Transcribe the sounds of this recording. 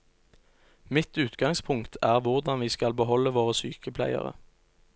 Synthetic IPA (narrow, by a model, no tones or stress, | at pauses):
mɪt̪ʉːt̪ɡɑŋspʰʊŋkt̪ʰæːʁʋʊʁd̪ɑnʋiːskɑlbəɦɔləʋoːʁəsyːkəpʰlæ̰ɪə̰ʁə̰